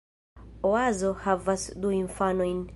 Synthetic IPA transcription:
oazo̞havasd̪uĩɱfanojn

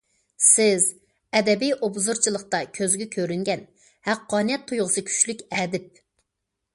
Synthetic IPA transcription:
sɪz | ɛd̪ɛbijʔobzuɾt͡ʃʰilˠəχt̪ɑkʲʰøzɡʲɛkʲʰøɾyŋɡʲɛn | hæqːɑːnɨjɛt̪ʰːujʁəsɨkʲʰy̥t͡ʃlykʲɛːd̪ɪp̚

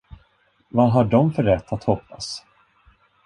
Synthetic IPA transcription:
vaɦaɖɔmfœɾɛt̪ʰːat̪hɔpːa̰s

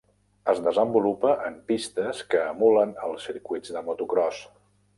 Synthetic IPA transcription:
əzðəzəmbulupəʔəmpist̪əskəːmulənəlˠsiɾkujd͡zd̪əmut̪ukɾɔs

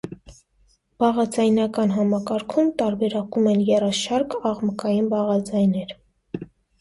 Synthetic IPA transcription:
b̥ɑʁɑd͡zɑjnɑkɑnɦɑmɑkɑɾkʰumt̪ɑɾbɛɾɑkumɛnjɛrɑʃɑɾkɑʁməkɑjinbɑʁɑd͡zɑjnɛɾ

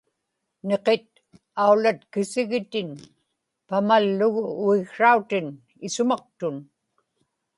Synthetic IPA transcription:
ne̞qet̪̚ | aulat̪kɪsɪɣɪt̪ɪn | pamalːʊɣʊːɪɣʂaut̪ɪn | ɪsʊmɑq̚t̪ʊn

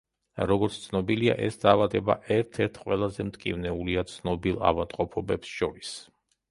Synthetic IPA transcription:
ɾɔɡɔɾt̪sʰt̪sʰnɔbilia̰ʔɛsd̪aːvad̪ɛba̰ʔɛɾt̪ʰɛɾt̪ʰqʼwɛlˠazɛmt̪ʼkʼḭvnɛuliat̪sʰnɔbilˠa̰vamt̪ʼqʼɔpʰɔbɛpsʃɔɾis

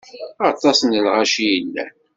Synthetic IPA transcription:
ɑt̪ˤɑsnəlʁaʃijəlːæ̰

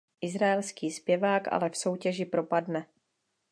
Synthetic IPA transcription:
ʔɪzɾaɛlskiːspjɛvaːkʔa̰lɛfso̞wcɛʒɪpɾo̞padnɛ

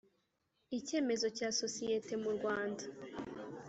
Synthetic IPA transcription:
ice̞ːme̞zo̞caːso̞sijete̞muɾɡwaːnda

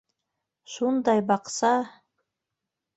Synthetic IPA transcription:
ʃund̪ɑjbɑqsɑ

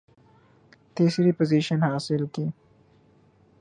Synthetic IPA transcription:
t̪eːsiɾipoziʃənhɑːsɪlki

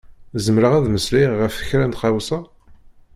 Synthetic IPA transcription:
zəmɾəʁæðməsliʁəfə̥çɾænt̪χɑwsɑ

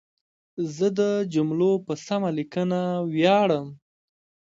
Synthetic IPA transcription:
zəd̪əd͡ʒʊmlopəsamalikənawjɑɽəm

